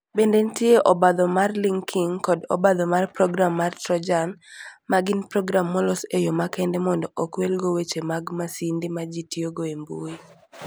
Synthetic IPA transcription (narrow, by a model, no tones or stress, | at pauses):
bendentjeʔɔbad̪ɔmarliŋkʰiŋkɔdɔ̰bad̪ɔmarpɾɔɡɾamːartɾɔd͡ʒanmaɡɪnpɾɔɡɾamːɔlɔsejomakɛndɛmɔndɔʔɔkwelɡowet͡ʃemaɡmasindimad͡ʒitioɡoembṵi